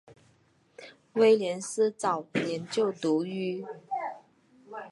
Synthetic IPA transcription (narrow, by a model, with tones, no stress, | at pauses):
we˥ɪljɛ˧˥nsɹ̩˥t͡sɑ˨˩ʊjɛ˧˥nt͡ɕjo˥˩ʊt̪u˧˥y˥˩